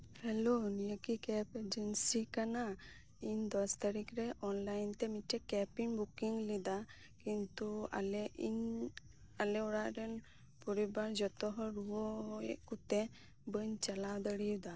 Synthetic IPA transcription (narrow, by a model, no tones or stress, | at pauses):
hɛlonijəkikɛped͡ʒənsikana | ind̪ɔst̪aɾikɾɛʔɔnlajnt̪ɛmiʈɛkɛpinbukiŋlid̪a | kint̪ua̰lɛin | alɛɔɽaʔɾɛn | puɾibaɾd͡ʒɔt̪ɔɦɔɾuɔeʔkut̪e | bəɲt͡ʃalawd̪əɽiwd̪a